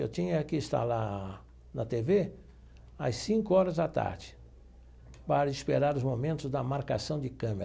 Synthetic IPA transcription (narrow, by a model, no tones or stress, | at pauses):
ḛwt͡ʃ̪ĩɲɐakiɪst̪a̰la | nɐt̪eve | ɐssĩŋkʊɔɾɐzd̪at̪a̰ɾd͡ʒɪ̥ | paɾɐispeɾaɾʊzmomẽnt̪ʊzd̪ɐmaɾka̰sɐ̃w̃d͡ʒɪkɐ̃mḛɾ